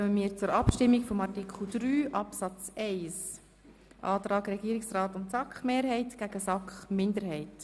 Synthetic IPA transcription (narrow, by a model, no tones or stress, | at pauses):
œməmiːɾt͡sʊɾɑpʃtɪmːikfɔmɑrtikχl̩ˠd̥̪ɾyːʔɑpsɑt͡sɛɪs | ʔɑːt̪ɾɑːɡɾɛɡ̥iːɾɪksraːtʊntsɑkχmeːɾɦɛɪtɡ̥æɡ̥əsɑkχmɪndəɾɦɛɪt